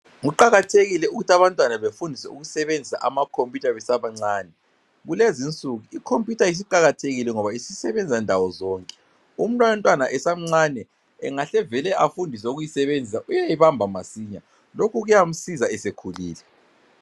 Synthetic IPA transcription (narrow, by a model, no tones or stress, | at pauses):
ŋuǃaɣatʰeɣilɛuɣutʰaβantʼwanaβefundʱisɛ̰ṵɣuisɛβend͡zʱisa̰ʔamakʰompʼjutʰaβɛsaβaŋ͡ǀaːnɛ | ɣulezint͡sʼuɣuikʰompʰʼjutʰais̬iǃaɣatʰeɣilɛŋɔβaisisɛβɛnd͡zʱandʱawɔzɔːŋkʼɛ̥ | um̩nantʼwanaʔɛsam̩ŋ͡ǀanɛ | ɛ̰ŋaɬɛvɛlɛʔafundʱisɛuɣujisɛβend͡zʱisaʔujaiβambʱamasiɲa | lokʰuɣujam̩sizaɛsekʰuliːlɛ